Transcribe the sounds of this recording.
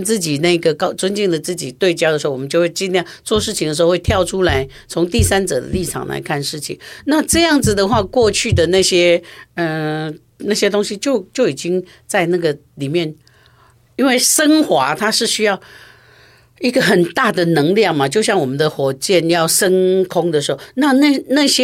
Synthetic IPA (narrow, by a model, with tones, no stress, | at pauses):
nt͡sɹ̩˥˩t͡ɕi˨˩na˥˩i˧˥ɡə˩kɑ˥ʊt͡swa˥nt͡ɕi˥˩ŋlə˩t͡sɹ̩˥˩t͡ɕi˨˩t̪we˥˩ɪt͡ɕjɑ˥d̪ə˩ʂɻ̩˧˥˧wɔ˨mə˦t͡ɕo˥˧xwe˥˧ɪt͡ɕi˥˧nljt͡swɔ˥˧ʂɻ̩ʰ˥˩i˨ŋd̪ə˩ʂ̩˧˥˧we˥˩t̪ʰjɑ˥˩ʊʈ͡ʂʰu˥la˧˥ɪ | t͡sʰʊ˧˥ŋt̪i˥˩sa˥nt͡sɤ̰˨˩d̪ə̰˦li˥˩ʈ͡ʂʰɑ̰˨˩ŋla̰˧˥ɪkʰa˥˧nʂɻ̩˥˩t͡ɕʰḭ˨˩˦ŋna˥˧ʈ͡ʂɤ˥˧jɑ˥˩ŋd͡zɹ̩˩d̪ə˩xwa˥˧kwɔ˥˧t͡ɕʰy˥˩d̪ə˩na˥˩ɕjɛ˥ə˥˧ | na˥˩ɕjɛ˥t̪ʊ˥ŋɕi˥t͡ɕjo˥˧ʊt͡ɕjo˥˩ʊi˨˩t͡ɕi˦ŋ | t͡sa˥˧ɪna˥˩ɡə˩li˨˩mjɛ˥˩n | i˥nwe˥˩ɪʂə˥ŋxwa˧˥˦t̪ʰa˥ʂɻ̩˥˩ɕy˥jɑ˥˩ʊ | i˧˥ɡə˨xə˨˩nt̪a˥˩d̪ə˩nɤ˧˦˥ŋljɑ˥˩ŋma˨t͡ɕjo˥˧ʊɕ̬jɑ˥˩ŋwɔ˨˩mə˨˦nd̪ə˧xwɔ˨˩t͡ɕjɛ˥˨njɑ˥˩ʊʂə˥ŋkʰʊ˥ŋd̪ə˨ʂɻ̩˧˥xo˥˩na˥˧na˥˩na˥˩ɕjɛ˥